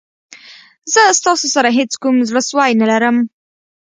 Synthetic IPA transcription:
zəst̪ɑsosaɾaɦet͡skumzləswɑjnalaɾəm

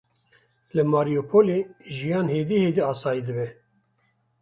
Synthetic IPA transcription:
lɨmaːɾijoːpʰoːleʒijɑːnheːd̪iheːd̪iɑːsɑːjid̪ɨbɛ

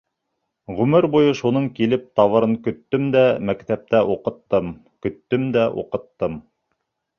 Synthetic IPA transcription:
ʁɵmɘɾbujɤʃunɤɴkilɘp̚t̪ɑβɤ̆ɾɤŋkɵ̆t̪ːɵmd̪æmækt̪æp̚t̪æʔuqɤ̆t̪ːɤm | kɵ̆t̪ːɵmd̪æʔṵqɤ̆t̪ːɤm

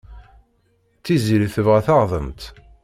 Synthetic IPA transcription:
θiziliθəvʁæθɑʁðˤənt̪

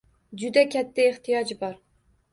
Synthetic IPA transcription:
d͡ʒʊd̪akʲʰat̪ʰːaeht̪ʰijɒd͡ʒbɒɾ

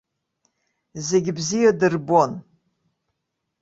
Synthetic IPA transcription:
zeɡʲɪbzijadɨrbon

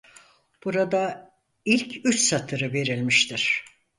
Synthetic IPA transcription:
b̥uɾad̪a | ilʲcʰyt͡ʃsat̪ʰɯɾɯve̞ɾilʲmiʃt̪ʰiɾ̝̥

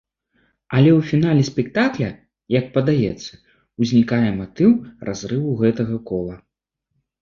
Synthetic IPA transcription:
ɐlʲɛwfʲinalʲɛsʲpʲɛkt̪aklʲɐ | jɐk̚pɐd̪ajɛt̪sːɐ | uzʲnʲikajɛmat̪ɨwrʔa̰zrɨwuɣɛt̪ɐɣɐkɔlˠɐ

